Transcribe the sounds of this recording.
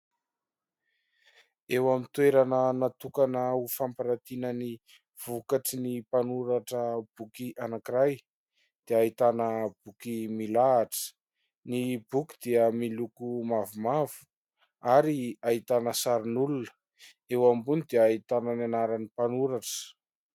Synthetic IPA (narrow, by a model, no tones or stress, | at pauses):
ewamit̪weɾanənat̪ukanəufampiɾat̪inəni | v̥ukaʈ͡ʂinipanuɾaʈ͡ʂəb̥ukiʔanakiɾaj | d̪̥eait̪anəb̥ukimilaːʈ͡ʂə̥ | nibuki̥d̪iəmilukumavumavu̥ | aɾiaɦit̪anəsaɾinulunə̥ | ewambunid̪eait̪anənanaɾənipanuɾaʈ͡ʂə̥